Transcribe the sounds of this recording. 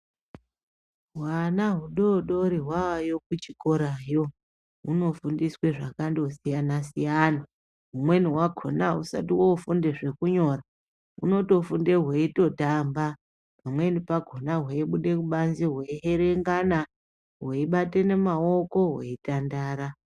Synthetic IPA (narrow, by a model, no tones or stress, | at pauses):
ɦwanaɦuɗouɗoɾiɦwawajo̞k̚ut͡ʃikoɾajo̞ | uno̞fundisweʐakandousijanasijana | ɦumwe̞niwaɡʱo̞̰nausa̰tiwoufunde̞ʐe̞kuɲo̞ɾa | uno̞to̞funde̞ɦweito̞tamba | pamwe̞nipaɡʱonaɦweiɓuɗe̞kuɓanziɦweiɦe̞ɾe̞ŋɡana | ɦweiɓate̞ne̞maoko̞ɦwḛitandaːɾa